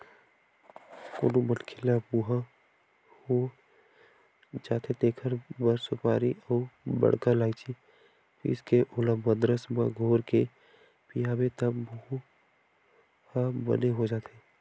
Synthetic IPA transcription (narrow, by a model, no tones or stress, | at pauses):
ko̰ːnubənkʰɪlabuɦa | ho | d͡ʒaːt̪ʰet̪eːkʰəɾbəɾsʊpaːɾiɔːbə̰ɽ̤kalaːit͡ʃʰi | pḭskeʔolãbəd̪ɾəsbə̰ɡʱoːɾke | pijaːbet̪əbəɦu | habə̰neɦod͡ʒaːt̪ʰe